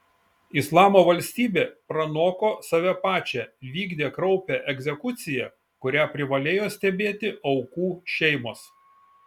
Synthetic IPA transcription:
ɪslˠɑːmoːʋɐlʲsʲt̪ʲiːbʲeːpɾɐnoːkoːsɐʋʲɛpɑːt͡ʃʲɛʋʲiːɡd̪ʲeːkɾɒʊpʲɛʔɛɡʲzʲɛkʊt̪sʲɪjɛ | kʊɾʲæːpʲɾʲɪʋɐlʲeːjoːsʲt̪ʲɛbʲeːt̪ʲɪɒʊkuːʃʲɛɪmoːs

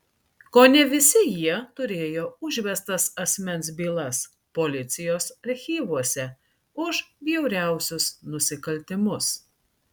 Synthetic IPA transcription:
koːnʲɛʋʲɪsʲɪjiɛt̪ʊɾʲeːjoːʊʒʲʋʲɛst̪ɐsɐsʲmʲɛnʲˑsbʲiːlˠɐs | poːlʲɪt̪sʲɪjoːsɐɾʲxʲiːʋuɔsʲɛ | ʊʒbʲjɛʊɾʲæˑʊsʲʊsnʊsʲɪkɐlʲt̪ʲɪmʊs

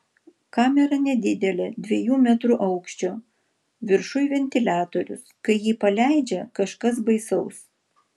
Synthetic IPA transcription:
kɑːmʲɛɾɐnʲɛd̪ʲɪd̪ʲɛlʲɛd̪ʲʋʲiɛjuːmʲæt̪ɾuʔɐʊkʃʲt͡ʃʲoː | ʋʲɪɾʃʊjʋʲɛnʲt̪ʲɪlʲæːt̪oɾʲʊ̰skɐɪjiːpɐlʲæɪd͡ʒʲɛkɐʃkɐsbɐɪsɐʊs

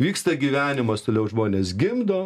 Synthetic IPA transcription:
ʋʲiːkst̪ɐɡʲiʋʲæːnʲɪmɐst̪oːlʲɛʊʒmoːnʲeːsɡʲɪmd̪oː

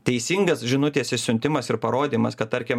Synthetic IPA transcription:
t̪ʲɛɪsʲiːŋɡɐsʒʲɪnʊt̪ʲiɛsʲɪsʲʊnʲt̪ʲɪmɐsɪɾpɐɾoːd̪ʲiːmɐskɐt̪t̪ɐɾʲkʲem

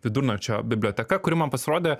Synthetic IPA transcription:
ʋʲɪd̪uɾnɐt͡ʃʲɛbʲɪbʲlʲoːt̪ʲɛkɐkʊɾʲɪmɐnpɐsʲɪɾoːd̪ʲɛː

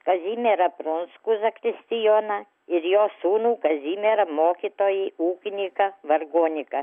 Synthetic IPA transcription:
kɐzʲiːmʲeɾɐpɾʊnskʊzɐkɾʲɪsʲt̪ʲɪjoːnɐ | ɪɾjoːsuːnuːkɐzʲiːmʲeːɾɐmoːkʲit̪oːjiːuːkʲɪnʲɪkɐʋɐrɡoːnʲɪkɐ

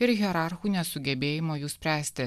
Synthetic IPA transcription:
ɪɾɣʲiɛɾɑˑɾxuːnʲɛsʊɡʲɛbʲeːjɪmoːjuːsʲpʲɾʲæːsʲt̪ʲɪ

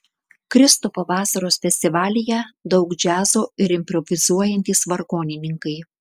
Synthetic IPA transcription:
kɾʲɪst̪uːpɐʋɑːsɐɾoːsfʲɛsʲt̪ʲɪʋɑːlʲɪjɛd̪ɒʊkd͡ʒʲæːzoːɪɾɪmʲpɾɔʋʲɪzuɔjɛnʲt̪ʲiːsʋɐɾɡoːnʲɪnʲɪŋkɐɪ

